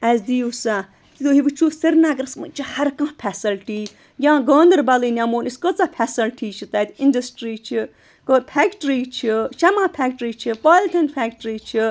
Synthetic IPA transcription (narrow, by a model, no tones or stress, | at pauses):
ɛzd̪iːusa | t̪it̪oɦiʋɨt͡ʃʰuːsiɾnaɡɾɐsmɨ̰t͡ʃihɐɾkãːpʰɛsɐlʈiː | jãːɡə̃ːnd̪əɾbɐliːnʲamoːniskət͡sapʰʲɛsɐlʈʰiːt͡ʃʰit̪aːt̪inɖɐsʈɾiːt͡ʃʰi | kəːpʰɛːkʈɾiːt͡ʃʰiʃɐmãːpʰɛːkʈɾiːt͡ʃʰipaːlʲʈ̪ʰɐnpʰɛːk̚ʈɾiːt͡ʃʰi